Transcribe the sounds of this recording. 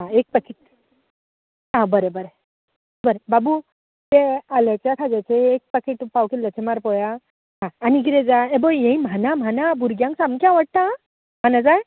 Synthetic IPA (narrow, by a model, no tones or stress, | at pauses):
ɦãek̚pəkʰiʈ̚ | ɦãbəɾebəɾe | bəɾebabu | t̪ealat͡sjakʰad͡zat͡seek̚pəkʰiʈpawkilːat͡ɕemaɾpɔja | ɦãːnik̬it̪ẽd͡zaebojjẽĩm̤anam̤anabʱuɾɡjãŋksamkjãʋaʈ̚t̪ã | m̤anad͡zaj